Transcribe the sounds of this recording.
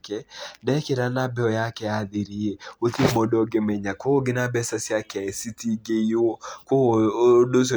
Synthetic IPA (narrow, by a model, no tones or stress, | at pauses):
kɛdɛkeɾanabɛɔjakɛaðiɾieotimɔdɔɡemɛɲakooɡɪnabɛsasjakɛaesitiɡeiokodos̬o